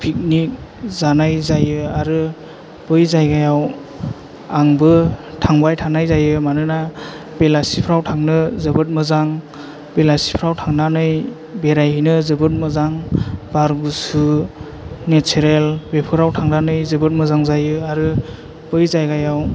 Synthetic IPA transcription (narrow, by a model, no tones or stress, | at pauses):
pʰik̚nik̚zanajzajɯaɾɯ | b̥ɯjzajɡajaw | aŋbɯtʰaŋbajtʰanajzajɯmanɯna | belasipʰɾawtʰaŋnɯzɯbɯt̚mɯzaŋ | belasi̥pʰɾawtʰaŋnanɯj | beɾajɦɯjnɯzɯbɯt̚mɯzaŋbaɾɡusu | netʰeɾelbepʰɯɾawtʰaŋnanɯjzɯbɯt̚mɯzaŋzajɯaɾɯ | b̥ɯjzajɡajaw